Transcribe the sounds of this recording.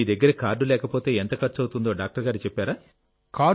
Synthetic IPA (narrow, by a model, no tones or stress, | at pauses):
iːd̪ɐɡːɐɾɐkaːɾɖulɛːkɐpo̞ːt̪e̞ːent̪ɐkɐɾt͡ʃɐwut̪und̪o̞ːɖaːk̚ʈɐɾɡaːɾit͡ʃɛpːaːɾaː | kaː